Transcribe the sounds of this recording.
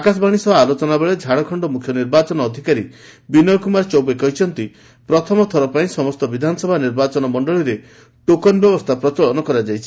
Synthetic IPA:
akas̬ɔbaɽ̃isɔbaːlot͡ʃɔnabeɭed͡ʒʱaɽ̃ɔkʰɔɳɖɔmukʰjɔniɾbat͡ʃɔnɔːd̪ʱikaɾi | binɔjɔkumaɾt͡ʃɔwbekɔɦit͡ʃʰɔnt̪i | pɾɔt̪ʰɔmɔt̪ʰɔɾɔpaĩsɔmɔst̪ɔbid̪ʱanɔsɔbʱaniɾbat͡ʃɔnɔmɔɳɖɔɭiɾe | ʈokɔnbjɔbɔst̪ʰapɾɔt͡ʃɔɭɔnɔkɔɾad͡ʒajt͡ʃʰi̥

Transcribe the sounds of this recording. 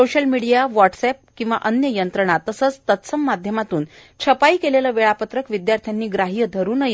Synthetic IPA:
oɕəlmiɽijaʋɔʈsɛp̚kĩʋaʔənjəjənt̪ɾəɳ̃at̪ːəsəːt͡st̪ət̪səmːad̪ʱjəmat̪uːnt͡ɕʰəpaikeleləʋeɭapət̪ɾəkʋid̪jaɾt̪ʰjanːiːɡɾaɦijəd̪ʱəɾuːnəj

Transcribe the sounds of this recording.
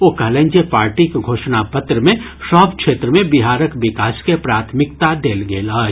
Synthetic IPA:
oːkɛlẽɲd͡ʒepaːɾʈikɡʱoːʃnapət̪ɾəmẽ | ʃɔːbkʃeːt̪ɾəmẽbɪɦaːɾəkʋɪkaːskepɾaːt̪ʰmɪkt̪ad̪eːlɡeːlaː

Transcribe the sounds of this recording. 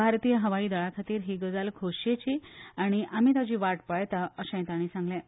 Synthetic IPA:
bʱaɾt̪iːjəɦəʋaiːd̪əɭakʰat̪iːɾɦiːɡəd͡zalkʰoɕjet͡ɕiːaɽ̃iʔam̤iːt̪ad͡ʑiːʋaʈpəɭjt̪aəɕɛ̃j̃t̪aɽ̃iːsãŋɡlɛ̃

